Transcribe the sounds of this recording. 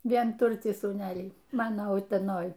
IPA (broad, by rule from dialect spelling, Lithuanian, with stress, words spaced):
ʋʲiɛnˈtʊrʲtʲiː suːˈnʲæːlʲiː ˈmɑːnoː ʊtʲɛˈnoːj